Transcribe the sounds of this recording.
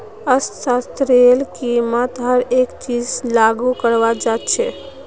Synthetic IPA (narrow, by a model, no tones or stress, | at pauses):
əssast̪ɾelkimət̪ɦəɾekt͡ʃid͡ʒlaɡukəɾʋad͡ʒat͡ʃʰɛ